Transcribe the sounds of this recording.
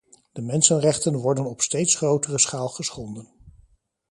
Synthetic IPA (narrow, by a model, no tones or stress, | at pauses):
d̥əmɛnsənrɛχtənʋɔɹdənɔpstejtsχrowtərəsχaːlˠχəsχɔndən